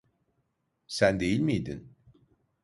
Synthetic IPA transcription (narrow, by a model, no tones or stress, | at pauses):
sænd̪e̞jilʲmijd̪in